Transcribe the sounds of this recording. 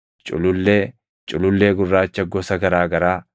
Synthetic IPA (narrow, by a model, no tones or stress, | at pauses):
t͡ʃʼʊ̰lʊlːeː | t͡ʃʼʊlʊlːeːɡʊrːaːt͡ʃːɐɡɔsɐɡɐɾaːɡɐɾaː